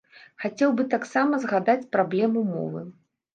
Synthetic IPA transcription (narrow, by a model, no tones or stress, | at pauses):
xat͡sʲɛwbɨt̪aksamɐzɣad̪at͡sʲpɾablʲɛmumɔ̰vɨ̰